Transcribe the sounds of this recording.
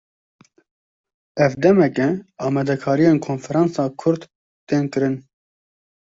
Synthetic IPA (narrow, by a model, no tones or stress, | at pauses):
ɛvd̪ɛmɛkɛɑːmɛd̪ɛkʰɑːɾijeːnkʰoːnfɛɾɑːnsɑːkʰʊɾd̪ː | eːnkɨɾɨn